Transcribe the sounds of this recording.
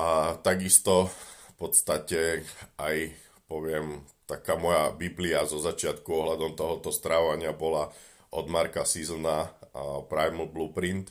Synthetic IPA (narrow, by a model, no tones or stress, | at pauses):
at̪aɡist̪ɔfpɔt̪st̪acɛaj | pɔʋɪɛmt̪akaːmɔjabibliazɔzat͡ʃɪat̪kuɔɦlad̪ɔmt̪ɔɦɔt̪ɔst̪ɾaːʋaɲɪabɔla | ʔɔd̪maɾkasizl̩napɾajml̩bluːpɾint̪